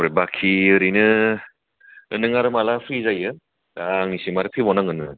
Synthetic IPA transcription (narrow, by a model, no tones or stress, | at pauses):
ɾebakʰiɯɾinɯ | ɯnɯŋaɾɯmalapʰɾizajɯ | aːŋnisimaɾɯpʰibɔnaŋɯnɯ